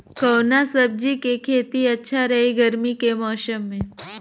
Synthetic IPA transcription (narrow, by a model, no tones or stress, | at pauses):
kɐwnasəb̚d͡ʒikekʰeːt̪iɐtːʃʰaɾɐɦeɡəɾmikemɔːʃəmːẽ